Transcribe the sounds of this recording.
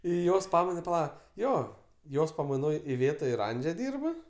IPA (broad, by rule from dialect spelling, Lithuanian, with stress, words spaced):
ˈiː ˈjoːs ˈpɑːmɐɪnɐ pɐˈlˠɐ ˈjoː ˈjoːs pɐmɐɪˈnoːj ɪˈʋʲeːtɐ ɪr ˈɐnʲd͡ʒʲɛ ˈdʲiːrp